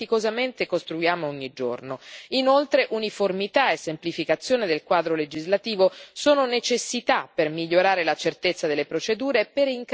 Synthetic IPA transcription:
ikozament̪ekost̪ɾujaːmoɔɲːid͡ʒo̰rnoinolt̪ɾeʔuniformit̪aesːemplifikat̪sːjoːned̪elkwaːd̪ɾoled͡ʒizlat̪iːvosoːnonet͡ʃesːit̪apːermiʎːoɾaːɾelat͡ʃert̪et̪sːad̪elːepɾot͡ʃed̪uːɾeːpːeɾiŋk

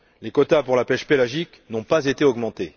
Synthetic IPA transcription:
lekɔt̪apuʁlapɛʃpelaʒiknɔ̃pazet̪eɔɡmɑ̃t̪e

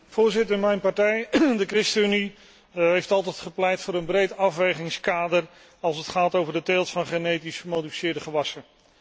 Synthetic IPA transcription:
v̥ʊːɹzɪtəɹmɛjnpɑɹtɛjdəkrɪstyni | ɦejftɑlˠtɛjtχəplɛjtfʊːɾənbrejtɑfʋejχɪŋskaːdər | ɑlˠsətχaːtowvəɹdətelˠtfɑnχənejtisəmowdifi̥sɪːɹdəχəʋɑsən

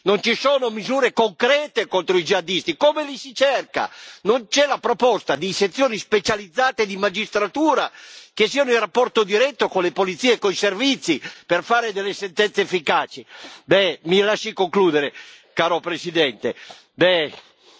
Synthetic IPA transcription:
nont͡ʃisoːnomizuːɾekoŋkɾɛːt̪ekont̪ɾoid͡ʒiad̪ist̪ikomelisit͡ʃɛrka̰nont͡ʃɛlapɾopɔst̪ad̪iset̪sːjoːnispet͡ʃalid̪zːaːt̪ed̪imad͡ʒist̪ɾat̪uːɾak̟esiːanoilrapːɔrt̪od̪iɾɛt̪ːokonlepolit̪siːeːkːoiservit̪sːiperfaːɾed̪ɛlːesɛnt̪ɛnt̪seefːikaːt͡ʃibɛmilaʃːikoŋkluːd̪eɾe | kaːɾopɾesid̪ɛnt̪e | bɛ

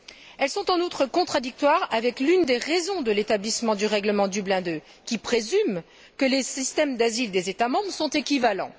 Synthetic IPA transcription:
ɛlsɔ̃t̪ɑ̃nut̪χəkɔ̃t̪χad̪ik̚t̪waʁavɛklynd̪eʁezɔ̃d̪əlet̪ablismɑ̃d̪yʁɛɡləmɑ̃d̪yblɛ̃d̪ø | kʲipχezym | kəlesist̪ɛmd̪azild̪ezet̪amɑ̃bʁəsɔ̃t̪ekʲivalɑ̰̃

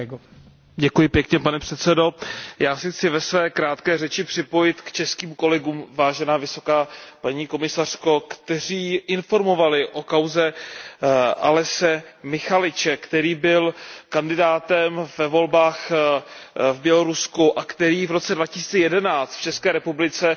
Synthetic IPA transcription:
ɟɛkujɪpjɛkɲɛpanɛpr̥ɛt̪st͡sɛdo̞jaːsɪxt͡sɪvɛsvɛːkɾaːt̪kɛːrɛt͡ʃɪpr̝̥ɪpo̞jɪt̪kt͡ʃɛskiːmko̞lɛɡuːmvaːʒɛnaːvɪso̞kaːpaɲiːko̞mɪsar̥ko̞kt̪ɛr̝iːʔɪnfo̞ɾmo̞valɪʔo̞kawzɛ | ʔalɛsɛmɪxalɪt͡ʃɛkt̪ɛɾiːbɪlkandɪdaːt̪ɛmvɛvo̞lbaːx | vbjɛlo̞ɾuskuʔakt̪ɛɾiːvɾo̞t͡sɛdvacɪ̥si̥ːt͡sɛjɛdɛnaːt͡st̪ft͡ʃɛskɛːɾɛpublɪt͡sɛ

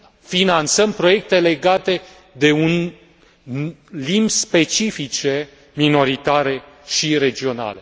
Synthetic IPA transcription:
finant̪səmpɾo̞je̞k̚t̪e̞le̞ɡat̪e̞ | d̪e̞un | limbspe̞t͡ʃifit͡ʃe̞ | mino̞ɾit̪aɾe̞ʃiɾe̞d͡ʒio̞na̰le̞

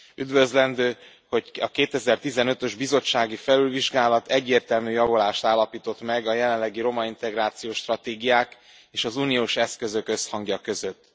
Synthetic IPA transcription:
yd̪vø̞zlɛnd̪øː | ho̞cɒkeːt̪ɛzɛrt̪izɛnø̞t̪ø̞ʒbizo̞t͡ʃːaːɡifɛlylviʒɡaːlɒt̪ɛɟːeːrt̪ɛlmyːjɒvolaːʃt̪aːlːɒpiːt̪o̞t̪mɛɡɒjɛlɛnlːɛɡiɾo̞mɒint̪ɛɡraːt̪sijoːʃt̪rɒt̪eːɡijaːk | eːʃɒzunijoːʃɛskø̞zø̞kø̞shɒŋɡjɒkø̞zø̞t̪ː

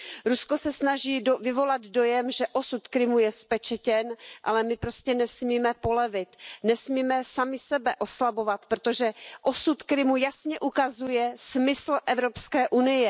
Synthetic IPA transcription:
ɾusko̞sɛsnaʒiːvɪvo̞lad̪do̞jɛmʒɛʔosut̪kɾɪmujɛspɛt͡ʃɛcɛnʔa̰lɛmɪpɾoscɛnɛsmiːmɛpo̞lɛvɪt̪nɛsmiːmɛsamɪsɛbɛʔo̞slabo̞vat̪pɾot̪o̞ʒɛʔosut̪kɾɪmujasɲɛʔukazujɛsmɪsl̩ʔɛvɾo̞pskɛːʔunɪjɛ

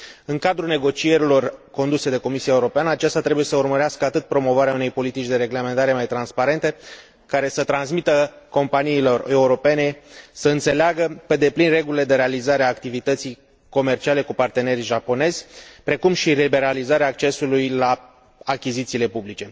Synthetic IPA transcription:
ɨŋkad̪ɾune̞ɡo̞t͡ʃije̞ɾilo̞rko̞nd̪use̞d̪e̞ko̞misiaeuɾo̞peanəat͡ʃast̪at̪ɾebuje̞səurməɾeaskəat̪ɨt̪̚pɾo̞mo̞vaɾeaune̞jpo̞lit̪it͡ʃd̪e̞ɾe̞ɡle̞me̞nt̪aɾe̞majt̪ɾanspaɾe̞nt̪e̞ | kaɾe̞sət̪ɾansmit̪əko̞mpaniːlo̞re̞uɾo̞pe̞ne̞səɨnt̪se̞leaɡəpe̞d̪e̞plinre̞ɡulile̞d̪e̞ɾe̞alizaɾeaːkt̪ivit̪ət̪sij | ko̞me̞rt͡ʃiale̞kupart̪e̞ne̞ɾiʒapo̞ne̞zʲpɾe̞kumʃilibe̞ɾalizaɾeaːk̚t͡ʃe̞sulujlaː | kʲizit̪siːle̞publit͡ʃe̞

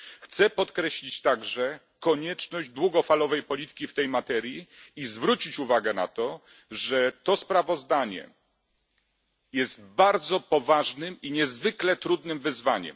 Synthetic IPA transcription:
xt̪sɛpɔt̪kɾɛɕlʲit͡ɕt̪aɡʐɛ | kɔɲɛt͡ʂnɔʑd͡ʑd̪wuɡɔfalɔvɛjpɔlʲit̪ɘ̥kʲift̪ɛjmat̪ɛɾʲjiizvɾut͡ɕit͡ɕuvaɡɛna̰t̪ɔ | ʐɛt̪ɔspɾavɔzd̪aɲɛ̰ | jɛst̪baɾd̪zɔpɔvaʐnɘmiɲɛzvɘklɛt̪ɾud̪nɘmvɘzvaɲɛ̰m

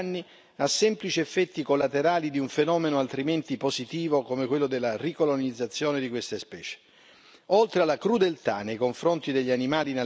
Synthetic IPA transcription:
nːi | asːɛmplit͡ʃiefːɛt̪ːikolːat̪eɾaːlid̪iuɱfenɔːmenoalt̪ɾiment̪ipozit̪iːvokomekwelːod̪elːarikolonid̪zːat̪sːjoːned̪ikwest̪espɛ̰ːt͡ʃe̥ | olt̪ɾealːakɾud̪elt̪a̰nejkoɱfɾont̪id̪eʎːianimaːline

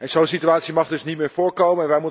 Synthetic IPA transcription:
ɛnzownsityaːtsimɑχdɵsnitmɪːɹfʊːɹkowməɛnʋɛjmu

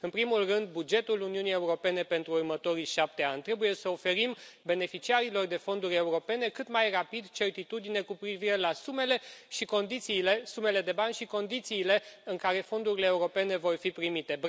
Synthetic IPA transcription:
ɨnpɾimulrɨnd̪̚bud͡ʒe̞t̪uluniunije̞uɾo̞pe̞ne̞pe̞nt̪ɾuːrmət̪o̞ɾiʃap̚t̪e̞anʲt̪ɾe̞buje̞səofe̞ɾimbe̞ne̞fit͡ʃiaɾilo̞rd̪e̞fo̞nd̪uɾʲe̞uɾo̞pe̞ne̞kɨt̪majrapid̪t͡ʃe̞rt̪it̪ud̪ine̞kupɾiviɾe̞lasume̞le̞ʃiko̞nd̪it̪siːlesume̞le̞d̪e̞banʲʃiko̞nd̪it̪siːle̞ɨŋkaɾe̞fo̞nd̪uɾile̞ːuɾo̞pe̞ne̞vo̞rfipɾimit̪e̞b

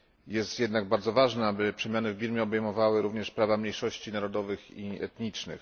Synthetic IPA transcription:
jɛst̪jɛd̪naɡ̚baɾd̪zɔvaʐnaabɘpʂɛmʲjanɘvbʲiɾmʲjɛɔbɛjmɔvawɘɾuvɲɛʂpɾavamɲejʂɔɕt͡ɕinaɾɔd̪ɔvɘxiɛ̰t̪ɲit͡ʂnɘ̰x

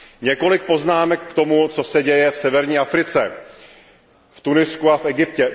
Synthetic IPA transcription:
ɲɛko̞lɪk̚po̞znaːmɛkːt̪o̞mut͡so̞sɛɟɛjɛfsɛvɛɾɲiːʔafɾɪt͡sɛ | ft̪unɪskuafʔɛɡɪpcɛ

